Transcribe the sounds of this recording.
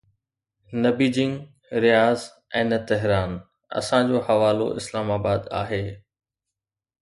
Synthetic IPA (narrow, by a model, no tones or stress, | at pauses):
nɐbiːd͡ʑɪ̃ŋɡ | ɾijaːz | ɛ̃ːnɐt̪ɛɦɾaːn | ɐ̰sãd͡ʑoːhɐʋaːlo̰ʔɪ̰slaːmaːbaːd̪aːɦeː